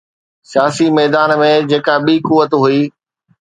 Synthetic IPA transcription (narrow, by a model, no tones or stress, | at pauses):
sijaːsimɛːd̪aːnmẽd͡ʑeːkaɓiːkuʋːət̪ɦuiː